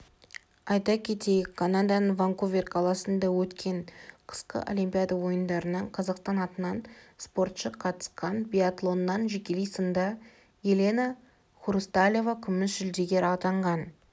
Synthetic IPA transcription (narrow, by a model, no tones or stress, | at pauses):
ɑjt̪ɑkʲʰe̞t̪e̞jɪkʲkʰːanad̪ɑnəɴvaŋkovʲerqʰɑlˠɑsənd̪ɑwɵt̪kʲe̞ɴqʰə̥sqə̰ʔo̰lʲimpʲijad̪ɑwo̞jənd̪ɑɾənəɴqʰɑzɑqst̪ɑnɑt̪ənɑnspo̞ɾt̪ʃəqʰɑt̪ə̥sqɑnbʲiat̪lˠo̞nːɑnʒekʲelejsənd̪ɑ | jelʲe̞nɑ | χuɾust̪alʲjevɑkʲʰʏmɪsʒʏld̪e̞ɡʲe̞ɾɑt̪ɑɴʁɑn